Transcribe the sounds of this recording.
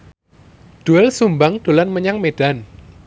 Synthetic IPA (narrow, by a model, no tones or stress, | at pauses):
ɖ̪̥uɛlsumbaŋd̪̥o̤lanməɲaŋmeɖ̥a̤n